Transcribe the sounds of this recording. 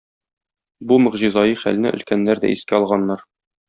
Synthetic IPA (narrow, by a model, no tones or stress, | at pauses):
bumɵ̆ʁʑĭzɑjɤχæ̰lnɘʔɵ̰̆lkænːæɾd̪æ̰iskæɒlˠʁɑnːɑɾ